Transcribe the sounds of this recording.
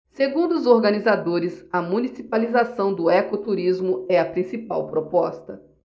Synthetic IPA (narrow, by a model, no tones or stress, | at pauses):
seɡũnd̪ʊːzoɾɡɐnizad̪oɾɪzɐmũnisipalizasɐ̃w̃d̪ʊɛkot̪uɾizmʊɛɐpɾĩsipa̰wpɾopɔst̪ɐ